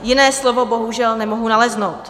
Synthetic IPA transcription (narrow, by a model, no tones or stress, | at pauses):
jɪnɛːslovo̞bo̞ɦuʒɛlnɛmoɦunalɛznowt̪